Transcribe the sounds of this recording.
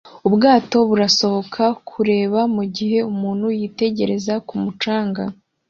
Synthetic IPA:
ubɡaːto̞βuɾaso̞βo̞kʰakʰuɾe̞ːβamuɟihe̞umuːnhujiːte̞ɟe̞ɾe̞zakumut͡ʃaːŋɡa

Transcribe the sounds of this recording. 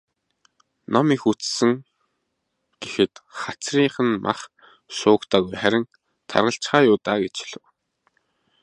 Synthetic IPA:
nɔmiːxut͡ssɘ̆ŋ | ɡ̥exɘ̆t̪χat͡sriːɴχə̆nmʔa̰χ | sʊːkt̪ʰaːɣujχæɾʲɪ̆ŋ | t̪ʰa̰rʁə̆ɬt͡ɕχaːjʊːt̪aːɡet͡ɕɮɘ̆w

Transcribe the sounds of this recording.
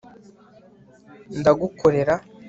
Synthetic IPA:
ndaɡuko̞ɾe̞ɾa

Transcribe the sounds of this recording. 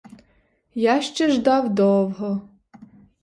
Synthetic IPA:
jaʃt͡ʃɛʒd̪ɑwd̪ɔwɦɔ

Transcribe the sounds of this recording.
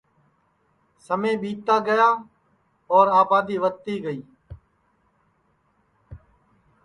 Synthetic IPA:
səmẽːɓiːt̪aːɡəjaː | ɔːɾaːbaːd̪iːʋək̚t̪iːɡəiː

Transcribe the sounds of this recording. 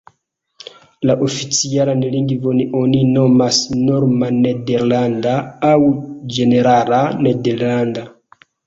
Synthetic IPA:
laʔofit͡sialaneliŋɡivoniʔoninomasnoɾmanedeɾlandaːwd͡ʒeneɾalanedeɾlanda

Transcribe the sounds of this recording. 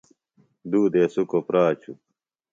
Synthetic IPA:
d̪uːd̪eːsukopɾaːt͡ɕʰu

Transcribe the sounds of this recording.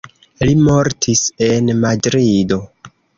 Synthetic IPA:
limo̞ɾtʰise̞nmadɾido

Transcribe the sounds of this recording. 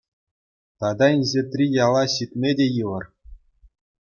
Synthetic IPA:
t̪ɑd̪ɑinʲʑʲet̪rʲijɑlˠɑɕit̪̚ʲmʲedʲejɯlɤ̆r

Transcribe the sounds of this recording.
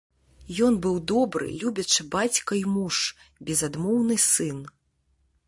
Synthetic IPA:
jɔnbɨwd̪ɔbɾɨ̰lʲubʲɐt͡ʂɨbat͡sʲkɐimuʂbʲɛzad̪mɔwnɨsɨn

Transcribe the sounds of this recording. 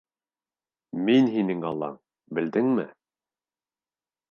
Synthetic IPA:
minɦinɘŋɑlˠːɑ̰ | bɘ̆ld̪ɘŋmɘ̰

